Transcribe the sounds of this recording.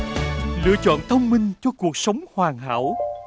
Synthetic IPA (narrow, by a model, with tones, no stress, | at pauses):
lɨ̰˧˥ət͡ɕɔ̰˧˨nt̪ʰə˧wŋ͡mmï˧ŋ̟t͡ɕɔ˧ku˨˩ək̚sə˨˦wŋ͡mhwaː˨˩ŋɦa̰ː˧˥w